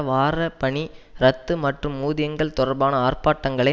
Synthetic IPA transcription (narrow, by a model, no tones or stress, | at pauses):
ʋaːɾɐpɐɳiɾɐt̪ːɯmɐʈrɯmːuːðɪjɐŋɡɐɭt̪ʊɾɐɾbaːnɐaːrpaːʈːɐŋɡɐɭɐ